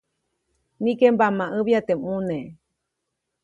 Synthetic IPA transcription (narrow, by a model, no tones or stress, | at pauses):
nĩkembamãʔɨβjat̪emũnẽ